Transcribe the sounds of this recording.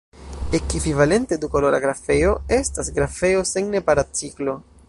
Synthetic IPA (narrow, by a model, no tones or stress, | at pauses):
e̞kivivale̞nte̞dukoloɾa̰ɡɾafe̞o̞e̞stasɡɾafe̞o̞seŋne̞paɾat͡siklo̞